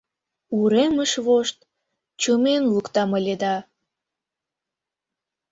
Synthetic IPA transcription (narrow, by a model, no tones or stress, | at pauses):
uɾeməʃβoʃt̪ | t͡ɕumenlukt̪ɑməlʲed̪ɑ